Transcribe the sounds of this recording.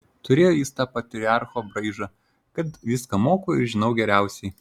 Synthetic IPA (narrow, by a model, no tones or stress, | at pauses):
t̪ʊɾʲeːjoːjiːst̪ɑːpɐt̪ʲɾʲɪɑˑɾxoːbɾɐɪʒɑ | kɐt̪ʋʲɪskɐmoːkoːɪɾʒʲɪnɒʊɡʲɛɾʲæˑʊsʲɛɪ